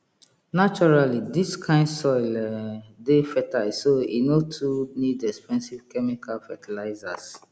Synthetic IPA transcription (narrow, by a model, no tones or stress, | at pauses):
nat͡ʃɔɹalidiskʰãɪ̃ndsɔjlɛdefɛtaɪsoinotʰunidɛkspɛ̃nsiv̥kɛmikʰalfɛtʰilaɪzas